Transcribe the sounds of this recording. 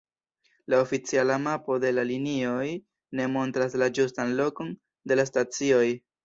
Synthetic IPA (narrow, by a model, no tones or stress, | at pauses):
laofit͡sialamapo̞de̞lalinio̞j | ne̞mo̞ntɾaslad͡ʒustanlo̞ko̞n | de̞las̬tat͡sio̞j